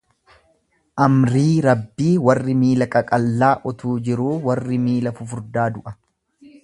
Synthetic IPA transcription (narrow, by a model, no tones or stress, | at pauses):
ʔɐmɾiːɾɐbːiːwɐrːɪmiːlɐkʼɐkʼɐlːaːʔɔt̪ʰuːd͡ʒɪɾuːwɐrːɪmiːlɐfʊfʊɾd̪aːd̪ʊʔɐ